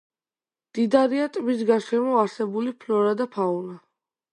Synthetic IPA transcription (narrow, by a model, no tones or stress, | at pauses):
d̪̥id̪aɾiat̪ʼmis̬ɡaʃɛmɔaɾsɛbulipʰlɔɾad̪apʰaula